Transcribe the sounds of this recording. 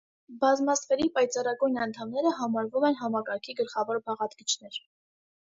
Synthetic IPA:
bɑzmɑsfɛɾipɑjt͡sɑrɑɡujnɑnt̪ʰɑmnɛɾəɦɑmɑɾvumɛn̪ɦɑmɑkɑɾkʰiɡəlχɑvɔɾbɑʁɑt̪ɡit͡ʃʰnɛɾ

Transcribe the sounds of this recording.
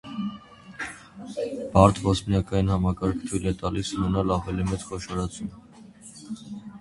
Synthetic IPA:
b̥ɑɾt̪ʰvɔsmnɑkɑjinhɑmɑkɑɾkʰt̪ʰujlɛt̪ɑlisunɛnɑlɑvɛlimɛt͡skʰɔʃɑɾɑt͡sʰumə

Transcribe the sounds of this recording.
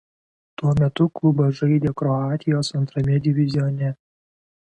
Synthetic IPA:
t̪uɔmʲɛt̪ʊklˠʊbɐʒɐɪd̪ʲeːkɾɔaːt̪ʲɪjoːsɐnt̪ɾɐmʲɛd̪ʲɪʋʲɪzʲɪjonʲɛ

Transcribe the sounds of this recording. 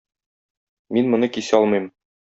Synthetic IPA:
minmŏnɤkisɒlˠmɤ̆jm

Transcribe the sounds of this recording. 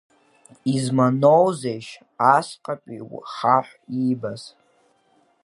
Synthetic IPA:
izmanowzejʃ | asqʼapʼḭwχaħʷibaz̥

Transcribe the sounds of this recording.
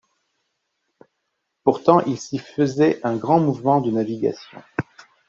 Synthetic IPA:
puʁt̪ɑ̃ʔilsifəzɛʔɛ̃ɡʁɑ̃muvmɑ̃d̪ənaviɡa̰sjɔ̰̃

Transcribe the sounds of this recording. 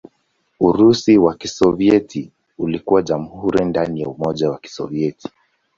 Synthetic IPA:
uɾusiwakisɔviɛtʰi | ulikuwaʄamuhuɾindanijaumɔʄawaki̥sɔ̰viɛtʰi̥

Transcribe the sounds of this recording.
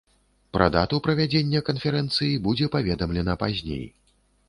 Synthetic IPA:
pɾɐ̰d̪at̪upɾɐvʲad͡zʲenʲːɐkɐnfʲɛɾɛnt̪sɨjibud͡zʲɛpavʲɛd̪ɐmlʲɛnɐpazʲnʲḛj

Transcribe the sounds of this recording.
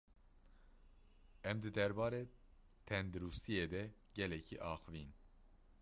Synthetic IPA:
ɛmd̪ɨd̪ɛɾbɑːɾe | t̪ʰɛnd̪ɨɾust̪ʰied̪ɛ | ɟɛlɛcʰiʔɑːxɨvin

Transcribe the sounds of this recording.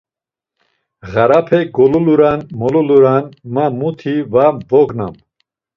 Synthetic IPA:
ɣaɾapʰɛɡɔluluɾanmɔluluɾanmamut̪ʰivabɔɡna̰m

